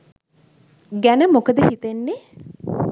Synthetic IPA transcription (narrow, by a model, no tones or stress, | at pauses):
ɡænəmokəd̪əhit̪enːe